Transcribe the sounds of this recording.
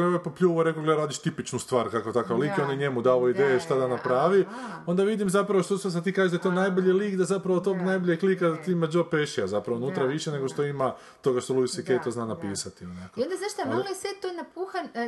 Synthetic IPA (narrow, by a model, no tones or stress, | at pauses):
oʋojpopʎuːʋuɾe̞koɡleɾaːd̪iʃt̪ipit͡ʃnust̪ʋaːɾkakoet̪akaʋliːkjeo̞njeɲe̞mud̪aoid̪ejeʃt̪ad̪anapɾaːʋio̞nd̪aʋid̪imzapɾaʋoʃt̪osas̬ad̪t̪ikaːʒed̪ajet̪onajboʎeliːkd̪azapɾaʋot̪o̞ɡnajboʎʲeklikad̪at̪iːimad͡ʒopeʃiazapɾaʋonuːt̪ɾaʋiʃene̞ɡo̞ʃt̪o̞ima | t̪o̞ɡaʃt̪o̞lˠuisikejt̪oznaːnapiːsat̪ionakkoiond̪azaʃt̪amlojeset̪onapuxan